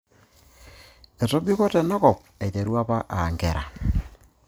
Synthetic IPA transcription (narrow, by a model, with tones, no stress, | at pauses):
ɛ˨tɔ˦bi˦kɔ˦tɛ˨nɔ˦kɔ˨p̚ɛ˨jte˨ɾu˦a˦pa˦ʔa˨ŋɡɛ˨ɾa̰˨